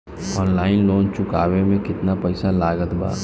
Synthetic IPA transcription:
ɔːnlaːɪnloːnt͡ʃʊkaːʋemẽkɪt̪napəɪsalaːɡət̪ba̰ː

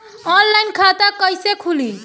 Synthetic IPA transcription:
ɔnlainkʰat̪akəjsekʰuli

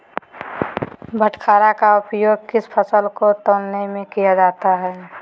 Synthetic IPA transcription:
bʱəʈʰkʰaːɾakaʊpjoːɡ̚kɪspʰəsəlkot̪oːlnemẽkijad͡ʒaːt̪aɦɛː

